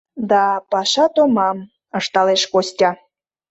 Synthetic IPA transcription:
d̪ɑpɑʃɑt̪omɑm | əʃt̪ɑleʃkosʲtʲɑ

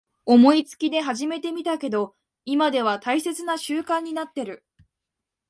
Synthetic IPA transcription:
o̞mo̞it͡sɨ̥kʲid̪e̞ɦaʑime̞t̪e̞mʲit̪ake̞d̪o̞ | imad̪e̞β̞at̪aise̞t͡sɨnaɕɨːkãɲ̟ːinat̪ːe̞ɾɯ̟

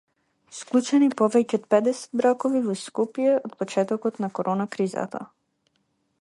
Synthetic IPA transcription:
sklˠut͡ʃɛnipɔvɛcɛot̪̚pɛd̪ɛsɛ̥d̪̚bɾakɔvivɔskupjɛʔot̪̚pɔt͡ʃɛt̪ɔkɔt̪nakoɾʔɔnakɾiza̰t̪ʰa̰

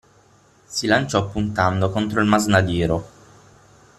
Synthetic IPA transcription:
silant͡ʃɔpːunt̪and̪okont̪ɾoilmaznad̪iːɾo

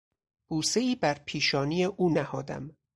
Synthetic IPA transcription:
b̥uːseiːbæɾpʰiːʃɒːnijeʔuːnæhɒːd̪æ̰m

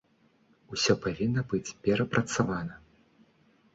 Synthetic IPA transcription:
usʲɔpavʲinːɐbɨt͡sʲpʲɛɾɐpɾʔɐt̪savanɐ

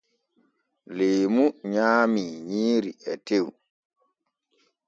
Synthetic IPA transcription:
leːmuɲaːmiɲiːɾiɛtew

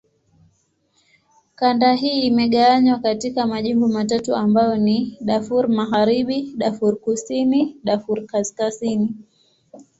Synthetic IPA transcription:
kandaɦiːmɛɠaaɲwakatikamaʄimbɔmatatuambajɔniɗafuɾmaɣaɾiɓiɗafuɾkusiniɗafuɾkaskazini

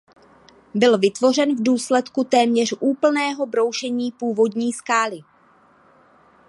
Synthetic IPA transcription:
bɪlvɪt̪vo̞rɛnvduːslɛt̪kut̪ɛːmɲɛr̝̥ʔuːpl̩nɛːɦo̞bɾo̞wʃɛɲiːpuːvo̞dɲiːskaːlɪ

